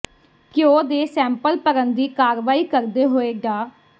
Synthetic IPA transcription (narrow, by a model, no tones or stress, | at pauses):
kɪoːd̪eːsɛ̃ːmpəlpəɾənd̪iːkaːɾʋaːiːkəɾd̪eːɦoːeːɡaː